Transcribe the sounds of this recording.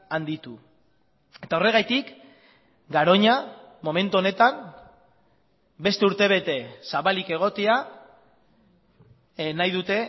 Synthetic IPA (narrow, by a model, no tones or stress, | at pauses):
and̪it̪u | e̞t̪ao̞re̞ɣ̞ajt̪ik | ɡaɾo̞ɲa | mo̞me̞nt̪uo̞ne̞t̪an | be̞st̪e̞uɾt̪e̞β̞e̞t̪e̞saβalike̞ɣ̞o̞t̪ea | najðut̪e̞